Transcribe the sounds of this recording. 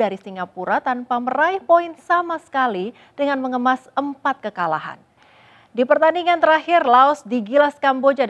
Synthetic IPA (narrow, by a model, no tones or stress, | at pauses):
aɾisiŋɡapuɾat̪anpaməraɪhpoinsamasə̥kali | d̥əŋanməŋəmasəmpat̪̚kəkala̰ɦa̰n | dipərt̪andiŋant̪əɾahɪrlaɔsdiɡilaskambod͡ʒa